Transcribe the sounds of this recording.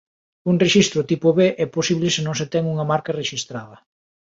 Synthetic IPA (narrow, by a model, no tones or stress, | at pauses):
uŋreʃist̪ɾʊt̪ipʊβeʔɛposiβlɪsenõŋset̪ɛŋuŋɐmaɾkɐreʃist̪ɾaðɐ